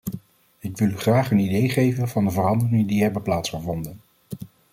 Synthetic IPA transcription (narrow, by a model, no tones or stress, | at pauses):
ɪkʋɪlˠyχraːχənidejχejvənvɑndəvərɑndərɪŋədiɦɛbəplaːtsχəvɔndən